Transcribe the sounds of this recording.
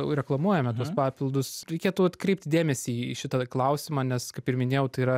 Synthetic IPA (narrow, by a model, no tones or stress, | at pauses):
ɾʲɛklˠɐmuɔjɛmʲɛt̪uɔspɑːpʲɪlˠd̪ʊsɾʲɛɪkʲeːt̪ʊɐt̪kɾʲɛɪp̚ʲt̪ʲd̪ʲeːmʲɛsʲiʃʲɪt̪ɐklˠɐʊsʲɪmɑːnʲɛskɐɪpɪrmʲɪnʲeːjɛʊt̪ɐiːɾɐ